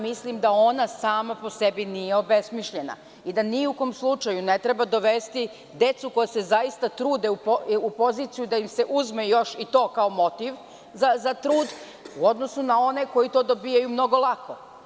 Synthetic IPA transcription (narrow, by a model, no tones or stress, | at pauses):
mislimd̪ao̞nasaːmapo̞sebinijeo̞be̞smiʃʎe̞na̰ | id̪aniuko̞mslˠut͡ʃajune̞t̪ɾebad̪o̞ʋest̪i | d̪e̞t̪suko̞jase̞zaist̪at̪ɾuːd̪eupoupo̞ziːt̪sijud̪aimse̞ʔuzmejo̞ʃit̪o̞ːkaomo̞t̪iʋ | zazat̪ɾuːd̪ | uod̪nosunao̞ne̞ko̞jit̪o̞ːd̪o̞bijajumno̞ɡo̞lˠakʰo